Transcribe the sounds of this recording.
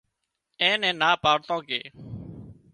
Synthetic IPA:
ɛ̃ːnɛ̃ːnaːpaːɽt̪õːkḛː

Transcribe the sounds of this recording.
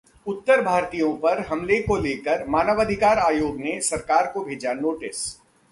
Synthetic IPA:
ʊt̪ːəɾbʱaːɾt̪ijõpɐɾɦɐmlekoleːkəɾmaːnəʋəd̪ʱɪkaːɾaːjoːɡnesɐɾkaːɾkobʱeːd͡ʒanoːʈɪs

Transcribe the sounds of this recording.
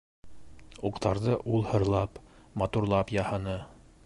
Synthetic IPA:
uqt̪ɑɾðɤʔulˠhɤ̆ɾlˠɑpmɑt̪uɾlˠɑpjɑhɤnɤ

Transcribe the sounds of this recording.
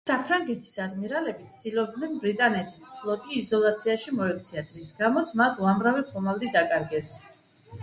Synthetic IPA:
sapʰɾaŋɡɛt̪ʰi̥sad̪miɾalɛbit̪sʰd̪ilɔb̚d̪nɛnbɾit̪ʼanɛt̪ʰispʰlˠɔɡiːzɔlˠat̪sʰiaʃimɔɛk̚ʰt̪sʰiad̪ɾisɡamɔt̪sʰmat̪ʰuamɾavɛχʰʼɔmalˠd̪id̪akʼaɾɡɛs

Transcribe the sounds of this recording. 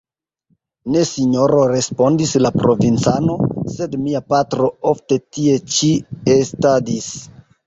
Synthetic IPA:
ne̞siɲo̞ɾoɾe̞spo̞ndislapɾovint͡sano̞se̞dmiapatɾo̞ofte̞tie̞t͡ʃiestadis

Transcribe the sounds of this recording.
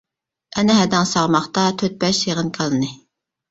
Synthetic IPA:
ɛnɪɦɛd̪æŋsɑʁmɑχt̪ɑt̪ʰøt̪̚bɛʃjeʁənkʲʰælˠɨnɨ

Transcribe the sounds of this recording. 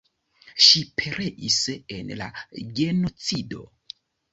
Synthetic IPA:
ʃipʰe̞ɾeʔise̞nla̰ɡe̞no̞t͡sido̞̰

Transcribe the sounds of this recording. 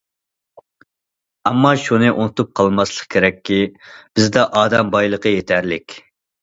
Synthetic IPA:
ɑmːɑʃunɨʔunɨt̪up̚qʰɑlˠmɑslˠəqkʲʰeɾɛkʲːib̥ɪzd̪ɛʔɑːd̪ɛmbɑjlˠəqəjet̪ʰæɾlɪkʲ

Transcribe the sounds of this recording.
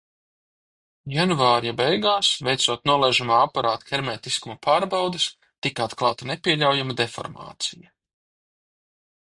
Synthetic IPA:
janvaːɾjabɛjɡaːsvɛjt̪suɔt̪nuɔlˠɛʒumaːapaɾaːt̪xʲɛɾmɛːt̪iskumɐpʰaːɾbawd̪ɨs | t̪ikat̪klˠɑːt̪anɛpʲiɛlʲawjamad̪efɔ̰ɾma̰ːt̪sijɐ

